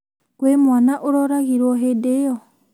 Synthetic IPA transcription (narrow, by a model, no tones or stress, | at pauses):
kwemwanaʔoɾɔɾaɣiɾwɔɦedejɔ